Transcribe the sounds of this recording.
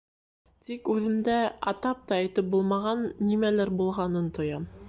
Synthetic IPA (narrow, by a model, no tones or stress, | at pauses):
t̪ikʉðɘ̆md̪æɑ̰t̪ɑp̚t̪ɑːjt̪ɘp̚bulˠmɑʁɑnːimælæɾbulˠʁɑnɤnt̪ʰŏjɑm